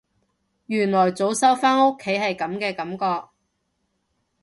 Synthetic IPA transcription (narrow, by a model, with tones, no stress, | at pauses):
jyː˨˩nlɔː˨˩jt͡so˨˥wsɐ˥wfaː˥no˥kʰːe˨˥jhɐ˨jkɐ˨˥mkɛː˧kɐ˨˥mkɔː˧k̚